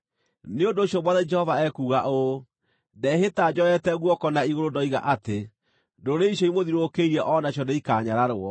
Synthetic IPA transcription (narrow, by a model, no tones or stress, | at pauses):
neondoːɕjɔmwaðɛd͡ʒɛhɔvaɛkuːɣaʔo | dɛɦetad͡ʒɔɛtɛɣwɔkɔnaiɣoɾodɔiɣa̰ʔate | doɾeiɕjɔimoðiɾokeiɾɛʔɔnaɕjɔdeikaːɲaɾaɾoɔ